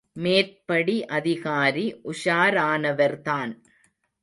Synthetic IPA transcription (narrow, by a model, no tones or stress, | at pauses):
meːrpɐɽiʔɐðɪɣaːɾiʔʊʂaːɾaːnɐʋɐɾt̪aːn